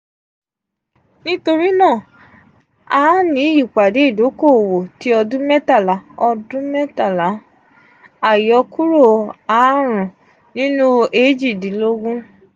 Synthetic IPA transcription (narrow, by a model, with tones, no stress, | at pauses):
nĩ˦to˧ɾi˦nãː˦˨ | a˦nĩ˨˦i˦˨k͡pa˨de˨˦i˦˨do˨˦ko˦˨wo˨ti˦ɔ˧dũ˦mɛ˦ta˦˨la˨˦ɔ˧dũ˦mɛ˦ta˦˨la˨˦ | a˦˨jɔ˨˧˦ku˦ɾo˦˨a˨˦ɾ̃ũ˨ | nĩ˦nũ˦e˦d͡ʒi˦˨dĩ˨˦lo˦ɡũ˦